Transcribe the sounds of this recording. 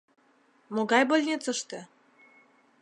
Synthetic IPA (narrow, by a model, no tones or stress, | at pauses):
moɡɑjbolʲnʲet͡səʃt̪ĕ